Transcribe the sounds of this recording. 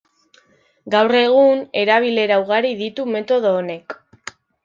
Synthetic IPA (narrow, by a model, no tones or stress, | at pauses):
ɡawre̞ɣ̞une̞ɾaβ̞ile̞ɾauɣaɾiðit̪ume̞t̪o̞ð̞o̞ːne̞k